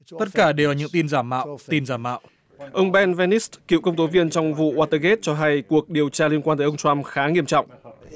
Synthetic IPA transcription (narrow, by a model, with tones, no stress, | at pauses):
t̪ə˦˥t̚kaː˧˩ɗe˨˩wvaː˨˩ɲɨ̰˧˥ŋt̪i˧nzaː˧˩mːa̰ː˧˨wt̪i˧nzaː˧˩mːa̰ː˧˨w | ʔə˧wŋ͡mɓɛ˧nvɛ˧ni˦˥stki˧˨kə˧wŋ͡mt̪o˨˦vi˧ənt͡ɕɔ˧wŋ͡mvṵ˧˨ʔwaː˧t̪əː˧ɣe˦˥t̚t͡ɕɔ˧ɦa˧jku˨˩ək̚ɗi˨˩əwt͡ɕaː˧li˧ənkwaː˧t̪əː˨˦ʔə˧ŋ͡mt͡ɕwa˧mxaː˨˦ŋi˧əmt͡ɕɔ̰˧˨wŋ͡m